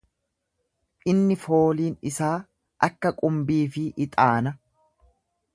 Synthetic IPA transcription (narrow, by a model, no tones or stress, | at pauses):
ʔɪnːɪfo̞ːliːnɪsaː | ʔɐkːɐkʼʊmbiːfɪʔɪt̪ʼaːnɐ